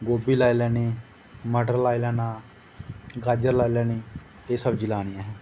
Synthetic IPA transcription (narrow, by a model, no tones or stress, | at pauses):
ɡoːbiːlaːilɛːniː | məɖəɾlaːilɛːnaː | ɡaːd͡ʒəɾlaːilɛːniː | eːsəbd͡ʒɪlaːɽ̃ɪjãːɦɛ̃ː